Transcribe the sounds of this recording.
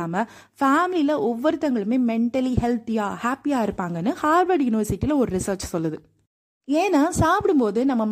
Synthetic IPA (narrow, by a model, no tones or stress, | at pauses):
aːmɐ | faːmɪlilɐʔɔʋːɔɾɯt̪ːɐŋɡɐɭɯmeːmɛɳʈɐlihɛlt̪ɪjaːhaːpːɪjaːɪɾɯpːaːŋɡɐnːɯhaːɾʋɐːɾɖjʊnɪʋɐɾsɪʈːiːlɐɔɾɯɾɪsɐːɾt͡ʃsɔlːɐðɯ | eːnaːsaːpɪɽɯmpoːðɯnɐmːɐm